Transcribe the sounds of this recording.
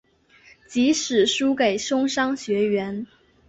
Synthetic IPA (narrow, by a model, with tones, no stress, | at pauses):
t͡ɕi˧˥ʂɻ̩˨˩ʂu˥ke˨˩ɪʂʊ˥ŋʂɑ˥ŋɕɥɛ˧˥ɥɛ˧˥n